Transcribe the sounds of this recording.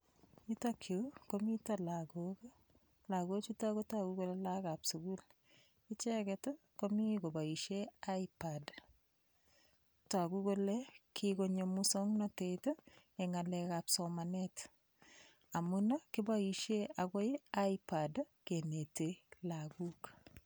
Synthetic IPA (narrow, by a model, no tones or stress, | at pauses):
itakʰjokomitalaɡok | laɡot͡ʃutakotakukolelakapsuɡul | ɪt͡ʃɛketo | komikobaiʃeaipad | takukolekʰikoɲomusoŋnɔteto | ɛŋalɛkapsɔmanet | amunakɪbaiʃeakojaipad | kenetelakuk